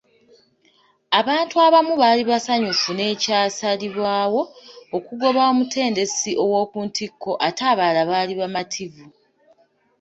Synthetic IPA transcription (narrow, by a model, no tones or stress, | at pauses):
aβaːntuaβamuβaliβasaɲufune̞ːcaːsaliβwaːwo̞ːkuɡo̞βaomutʰe̞ːnde̞siʔo̞wo̞ːkuːntʰikːo̞ʔataːβalaβaːliβamatʰivu